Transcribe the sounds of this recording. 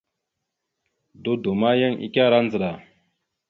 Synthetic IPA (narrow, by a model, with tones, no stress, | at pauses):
du˦du˨ma˦ja˦ŋḭ˨kʲa˦˨ɾa˦nd͡zə˨ɗa˨